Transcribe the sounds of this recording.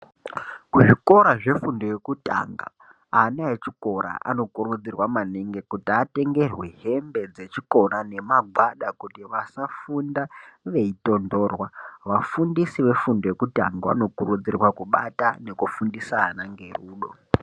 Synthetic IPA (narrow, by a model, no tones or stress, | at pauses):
kuʐiko̞ɾaʐe̞fundo̞je̞kuta̰ŋɡa̰ː | naet͡ʃiko̞ɾa̰ʔa̰no̞kuɾud͡zirwamaneŋɡe̞kutiate̞ŋɡe̞rweɦe̞mbe̞d͡ze̞t͡ʃiko̞ɾane̞maɡʱwaɗakutiʋasafundaʋe̞ito̞ndo̞ːrwaʋafundisiʋe̞fundo̞je̞kuta̰ŋɡaa̰no̞kurud͡zirwakuɓatane̞kufundisanaŋɡe̞ruːɗo̞